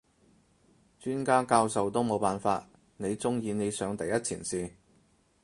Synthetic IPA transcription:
t͡ʃyː˥nkaː˥kaː˧wsɐ˨wt̪o˥wmo˨˧wpaː˨˩nfaː˧t̚ | ne˨˧jt͡sʊ˥ŋjiː˧ne˨˧jsœː˨˧ŋt̪ɐ˨˧jɐ˥t̚t͡sʰḭː˨˩nsiː˨˧

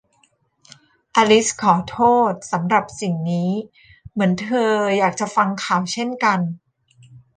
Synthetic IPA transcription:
ʔaː˧li˦˥skʰɔː˩˦t̪ʰoː˥˩t̪̚sa˩˦mɾa˨˩p̚si˨˩ŋniː˦˥ | mɯ˩˦ənt̪ʰɤː˧jaː˨˩k̚t͡ɕa˨˩fa˧ŋkʰaː˨˩wt͡ɕʰe˥˩nka˧n

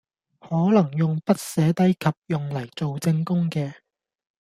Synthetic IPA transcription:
hɔː˨˥lɐ˨˩ŋjʊ˨ŋpɐ˥t̚sɛː˨˥t̪ɐ˥jkʰɐ˨p̚jʊ˨ŋlɐ˨˩jt͡so˨wt͡sɪ˧ŋkʊ˥ŋkɛː˧

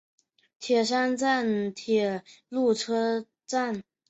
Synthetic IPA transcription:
t̪ʰjɛ˨˩ʂ̬a˥nt͡sa˥˩nt̪ʰjɛ˨˩lu˥˩ʈ͡ʂʰɤ˥ | t͡sa˥˩n

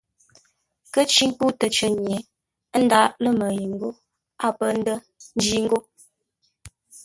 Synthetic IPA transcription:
kə˦t͡ʃi˦ŋpu˦tə˨t͡ʃə˨ɲ˨ɛ˨ | ə˦n̩˦da˦ʔlə˦mə˨ji˨ŋ̩˦ɡo˦ | a˦˨pə˦˨n̩˦də˦ | n̩˦d͡ʒi˦ŋ̩˦ɡo˦

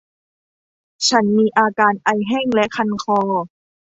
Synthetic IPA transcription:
t͡ɕʰa˦˥nmiː˧ʔaː˧kaː˧nʔa˧jɦɛː˥˩ŋlɛ˦˥ʔkʰa˧nkʰɔː˧

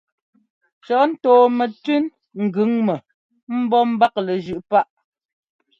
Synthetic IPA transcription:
t͡ʃɔ˨˦n̩˦toː˨mɛ˨ti˦n | ŋ̩˨ɡʉ˨˦ŋmɛ˨ | m̩˦bɔ˦m̩˦ba˦k̚lə˨ʒʉ˨ʔpa˦ʔ

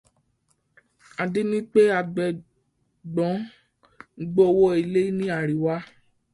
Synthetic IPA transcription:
a˨di˦nĩ˦k͡pe˦a˧ɡ͡bɛ˨ | ɡ͡bɔ̃˨˦ | ŋ̩˦ɡ͡bo˦˧wo˦i˧˨le˦i˦nĩ˦a˨ɾi˨wa˦

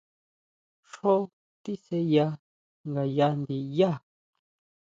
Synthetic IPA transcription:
ʂo˦ | t̪i˦se˧ja˧ | ŋɡa˨ja˧nd̪i˧ja˦

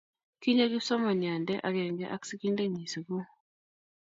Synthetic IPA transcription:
ki˦ɲa˦ɡi˦sɔ˦ma˨nja˨ndɛ˦ʔa˨ɾɛ˨ŋɡɛ̰˦ʔa̰˦ksi˦ki˦nde˦ɲi˨si˨ɡu˦

